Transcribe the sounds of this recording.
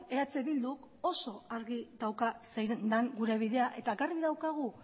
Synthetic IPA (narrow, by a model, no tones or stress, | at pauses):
eat͡seβild̪uk | o̞so̞aɾɣiðawkasejɾend̪aŋɡuɾe̞β̞iðe̞aʔe̞t̪akariðawkaɣ̞u